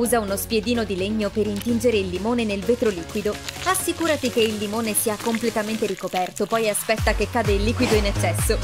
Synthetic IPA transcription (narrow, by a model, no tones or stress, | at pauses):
uːzaunospjed̪iːnod̪ileɲːopeɾint̪ind͡ʒeɾeilːimoːnenelveːt̪ɾoliːkwid̪oasːikuːɾat̪ik̟eilːimoːnesiːakomplet̪ament̪eɾikopɛrt̪opɔjaspɛt̪ːakekːaːd̪elːiːkwid̪oinet͡ʃːɛsːo